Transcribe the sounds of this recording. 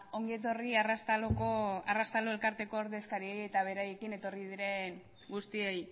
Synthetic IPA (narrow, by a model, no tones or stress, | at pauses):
o̞ŋɡie̞t̪̬o̞riarast̪alokoarast̪alo̞e̞lkaɾt̪e̞ko̞oɾðe̞skaɾieje̞t̪aβ̞e̞ɾaje̞kine̞t̪o̞riðiɾe̞n | ɡust̪iej